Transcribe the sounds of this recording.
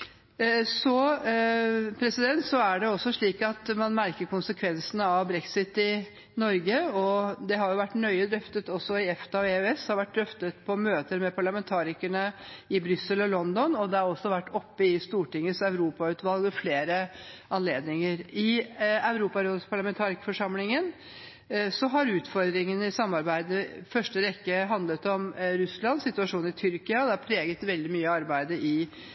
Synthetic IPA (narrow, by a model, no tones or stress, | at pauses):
sɔ | pʰɾɛsɪd̪ɛnt̪sɔæɖɛɔsːɔʂɭiːkɑt̪mɑnmæɾkəɾkʊnsəkʰʋɛnsənəɑʋbɾɛksɪt̪ːɪ | nɔɾɡəɔd̪ɛɦɑɾjʊʋæʈːnœʏəd̪ɾœft̪ət̪ɔsːɔɪɛft̪ɑeɛshɑɾʋæʈ̚ːd̪œft̪ət̪pʰɔmøːt̪əɾmɛpʰɑɭɑmɛnt̪ʰɑːɾɪkəɳəɪbɾʏsːəlɔlɔnd̪ɔnɔd̪ɛɑɾɔsːɔʋæʈːɔpːəɪst̪uːʈɪŋːəsɑʉɾuːpɑʉːt̪ʋɑlɡɛfleːɾəɑnleːd̪nɪŋəɾɪæʉɾuːpɑɾospʰɑɭɑmɛnt̪ʰɑːɾɪkfɔʂɑmlɪŋən | sɔɦɑɾʉːt̪fɔɾd̪ɾɪŋənəɪsɑmːɑɾbæɪd̪əfœʂʈəʋɛkːəɦɑnd̪lət̪ɔmɾʉslɑnsɪt̪ʉɑʂuːnɪt̪ʰʏɾkɪɑd̪ɛɑpʰɾeːɡət̪ʋɛld̪ɪmyːəɑɾbæɪd̪əʔɪ